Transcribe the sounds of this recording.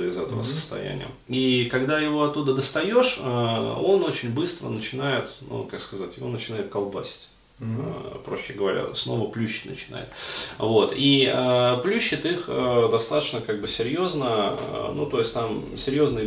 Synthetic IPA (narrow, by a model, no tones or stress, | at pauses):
əɪzɛt̪əvə̰sə̥st̪ɐ̰jæ̰nʲɪ̰jə̰ikɐɡd̪ajɪvo̞ɐt̪ːud̪əd̪əst̪ɐjo̞ʂ | o̞not͡ɕɪnʲbɨst̪ɾə̰nət͡ɕɪnajɪt̪nṵkakskɐzatʲjɪvo̞nət͡ɕɪnaɪt̪̚kɐlˠbasʲɪ̥tʲ | pɾo̞ɕːɪɡəvɐɾʲa̰sno̞vəplʲuɕːɪ̥tʲnə̰t͡ɕɪna̰jɪ̰t̪vo̞t̪iəplʲuɕːɪt̪ixəd̪ɐst̪at̪ə̥t͡ɕnəkaɡ̚bɨsʲɪɾʲjo̞znənut̪o̞ɪsʲtʲt̪am | sʲɪɾʲjo̞znɨj